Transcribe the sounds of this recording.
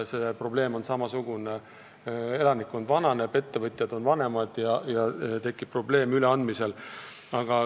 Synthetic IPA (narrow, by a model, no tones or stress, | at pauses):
se̞pro̞ble̞ːmo̞nsɑmɑsuɡ̥une | e̞lɑnikːˑo̞nvɑnɑnebe̞t̪ːevɤt̪ˑjɑd̪̥o̞nvɑne̞mɑd̪̥jɑjɑt̪e̞kːˑib̥̚pro̞ble̞ːmyleɑnd̪mise̞l | ɑɡ̥ɑ